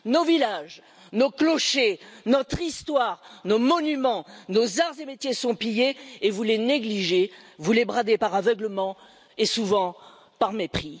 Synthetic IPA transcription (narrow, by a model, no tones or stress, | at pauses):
novilaʒ | noklɔʃenɔt̪χist̪waʁnomɔnymɑ̃nozaʁzemet̪jesɔ̃pijeevuleneɡliʒevulebʁad̪epaʁavœɡləmɑ̃ | esuvɑ̃ | paʁmepχi